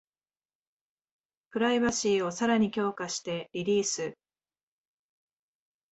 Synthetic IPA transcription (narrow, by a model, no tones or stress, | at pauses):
pɯ̟ɾaiβaɕiːo̞saɾaɲ̟ikʲo̞ːkaɕi̥t̪e̞ɾʲiɾʲiːsɨ